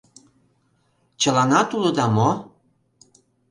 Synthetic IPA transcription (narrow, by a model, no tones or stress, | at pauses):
t͡ɕə̆lɑnɑt̪ulŏd̪ɑmo